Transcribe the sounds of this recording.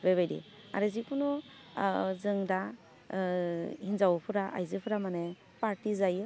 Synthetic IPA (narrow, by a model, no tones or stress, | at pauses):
beβajdḭ | a̰ɾɯzikʰunɔ | zɯŋda | hinzawpʰɯɾaʔa̰jzɯpʰɯɾamane | paɾtizajɯ